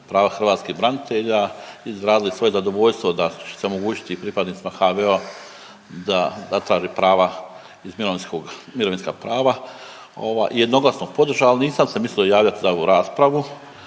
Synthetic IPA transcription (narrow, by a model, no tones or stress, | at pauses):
pɾaːʋaxr̩ʋaːt̪skiɣbɾanit̪ʰeʎaizɾaːd̪ilisʋo̞je̞zad̪o̞ʋo̞ʎst̪ʋod̪at͡ʃeseo̞mo̞ɡuːt͡ʃi̥t̪ipɾipad̪niːt̪imaxaʋea | d̪azat̪ɾaːʒiːpɾaːʋa | izmiɾoʋinskoɡmiɾoʋinska̰pɾaːʋa | o̞̰ʋa̰ːjjed̪no̞ɡlˠasnopo̞d̪r̩ʒaːlniːsamsemisliojaːʋʎat̪izaoʋuɾaːspɾaʋu